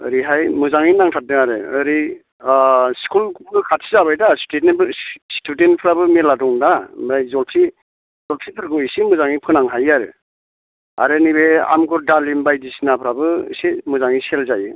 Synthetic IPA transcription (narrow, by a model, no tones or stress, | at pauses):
ɯ̰ɾiɦajmɯzaŋinaŋtʰat̚dɯaɾɯ̰ɯɾi | skʰulkʰuɡɯkʰatʰizaβajdastebstʰudentpʰɾabɯmeladɔŋdaajzɔlpʰi | zɔlpʰipʰɯɾɡɯisimɯzaŋipʰɯnaŋɦajaɾɯ̰ | a̰ɾɯnibea̰mɡɯɾdalimbajdisinapʰɯɾabɯ̰simɯzaŋiselzajɯ̰